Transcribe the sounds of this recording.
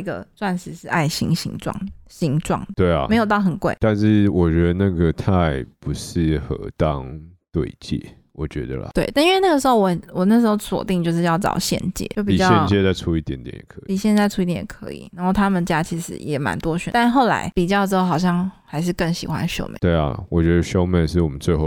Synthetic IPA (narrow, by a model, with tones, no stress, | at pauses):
i˧˥ɡə̰˧t͡swa˥˩nʂɻ̩˨˩ʂɻ̩˥˧ʔa˥˩ɪɕḭ˧˥ŋɕḭ˧˥ŋʈ͡ʂwɑ̰˥˩ŋɕi˧˥ŋʈ͡ʂwɑ̰˥˩ŋt̪we˥˩ɪɐ̰˨me˧ɪjo˨˩ʊt̪ɑ˥˩ʊxə˨˩nkwe˥˩ɪt̪a˥˧nʂɻ̩˥˩wɔ˨˩t͡ɕɛ˧ə˧˥ə˧na˥˩ɡə˨t̪ʰa˥˧ɪpu˧˥ʂɻ̩˥˩xɤ̰˧˥t̪ɑ˦˥ŋt̪we˥˧ɪt͡ɕjɛ̰˥˩ | wɔ˨˩t͡ɕɥɛ̰˧˥d̪ə̰˧lə̰˨twe˥˩ɪt̪i˥nwe˥˧na˥˩ɡə˩ʂ̬̩˧˥xo˥˧ʊwɔ˨˩wɔ˨˩na˥˩ʂ̬ɻ̩˧˥xo˥˩ʊswɔ̰˨˩t̪i˥˧ŋt͡ɕjo˥˧ʊʂɻ̩˥˧jɑ˥˩ʊʈ͡ʂɑ̰˨˩ʊɕjɛ̰˥˧nt͡ɕjɛ̰˥˩jo˥˩ʊpii˨˩t͡ɕjɕɑ˥jɛ˥˧nt͡ɕjɛ˥˧t͡sa˥˧ɪʈ͡ʂʰu˥˦i˥˩t̪jɛ˧˦nt̪jɛ̰˨˩njɛ˨˩kʰpi˨˩ɕjɛ˥˧nt͡sa˥˧ɪʈ͡ʂʰu˥i˥t̪jɛ˨˩ɛ˨˩kʰɤ̰˧˥ḭ˨˩na˨˧˥xo˥˩ʊt̪ʰa˥mə˨nt͡ɕja˥t͡ɕʰi˧˥ʂɻ̩̰˧˦jɛ˨˩ma̰˧˥nt̪wɔ˥ɕɥɛ̰˨˩˦t̪a˥˧nxo˥˩ʊla̰˧˥ɪpi˨˩t͡ɕjɑ˥˧ʊʈ͡ʂɻ̩˥o˥˩xɑ˨˩ʊɕ̬jɑ˥˩ŋxa˧˥ɪʂ̬ɻ̩˥˧kə˥˩ŋɕi˨˩xwa̰˦˥nɕjo̰˥˧ʊmḛ˩t̪we˥˩ɪɐ̰˨˩wɔ˨t͡ɕɥɛ˧˦d̪ə˧ɕjo˥ʊmɛ˨˩ʂɻ̩˥˩wɔ˨˩mə˦nt͡swe˧ɪxo˥˨˩